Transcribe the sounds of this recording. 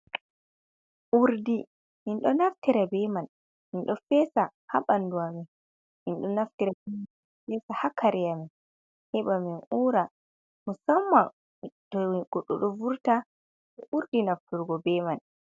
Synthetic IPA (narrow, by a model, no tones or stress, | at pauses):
ʔuɾdi | minɗɔnaftiɾabɛman | minɗɔfɛːsaha̰banduamɛ | minɗɔnaftiɾabɛman | fɛsahakʰaɾijamɛ | hɛɓaminuɾa | musamːa | tɔɡ̥ɔɗːɔɗɔvuɾta | ɓɛʔuɾdinaftuɾɡɔbɛman